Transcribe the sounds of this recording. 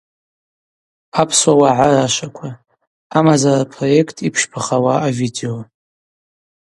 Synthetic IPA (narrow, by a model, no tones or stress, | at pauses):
apʰswawaʕaraʃʷakʷʰa | amazarapʰro̞je̞kʰtʰipʰʂpʰaχawaavideo